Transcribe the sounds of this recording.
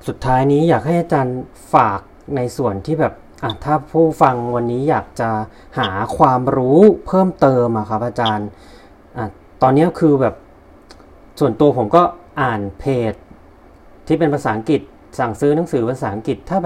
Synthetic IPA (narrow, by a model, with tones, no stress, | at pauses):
su˨˩t̪ʰːaː˦˥jniː˦˥jaː˨˩k̚ɦha˥˩jʔa˧t͡ɕaː˧n | faː˨˩k̚na˧jsu˨˩ənt̪ʰiː˥˩bɛː˨˩p̚ | ʔa˧˩t̪ʰaː˥˩pʰuː˥˩fa˧ŋwa˧nːiː˦˥jaː˨˩k̚t͡ɕa˨˩ | haː˩˦kʰwaː˧mɾuː˦˥pʰɤː˥˩mt̪ɤː˧mʔa˨˩kʰa˦˥p̚ʔaː˧t͡ɕaː˧n | ʔaː˧˩ | t̪ɔː˧nːi˦˥əkʰɯː˧bɛː˨˩p̚ | su˨˩ənt̪u˧ɐpʰo˩˦mkɔː˥˩ʔaː˨˩npʰeː˨˩t̪̚ʰː | iː˥˩p̬e˧npʰa˧saː˩˦ŋki˨˩t̪̚ | sa˨˩ŋsɯː˦˥na˩˦ŋsɯː˩˦pʰa˧saː˩˦ʔa˦ŋki˨˩t̪ʰːaː˥˩bɛ˩